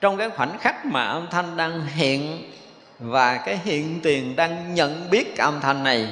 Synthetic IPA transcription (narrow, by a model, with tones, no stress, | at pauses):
t͡ɕɔ˧wŋ͡mkaː˨˦jxwa˧˩nxa˦˥k̚maː˨˩ʔə˧mt̪ʰa˧jnɗaː˧ŋɦḭ˧˨ən | vaː˨˩kaː˨˦jɦḭ˧˨ənt̪i˨˩əŋɗaː˧ŋɲə̰˧˨nɓi˦˥ət̚kaː˨˦ʔə˧mt̪ʰa˧jnːa˨˩j